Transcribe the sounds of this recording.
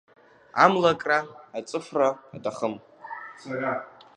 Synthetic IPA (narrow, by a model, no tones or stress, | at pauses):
a̰mlakʼraːt͡sʼɨfraːtʰʼaχəm | sarʲa